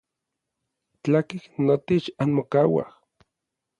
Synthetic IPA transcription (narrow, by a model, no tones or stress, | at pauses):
t͡ɬakihnot̪et͡ʃanmokawa̰h